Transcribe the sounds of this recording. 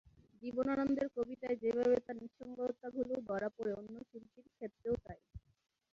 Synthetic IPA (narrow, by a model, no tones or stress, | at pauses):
d͡ʒibonanɔnd̪eɾkobit̪aed͡ʑebʱaβet̪aɾniʃːɔŋbɔɦot̪ːaɡʱulobɔɾapoɾeonːoʃulk̪iɾkʰet̪ːɾeot̪aj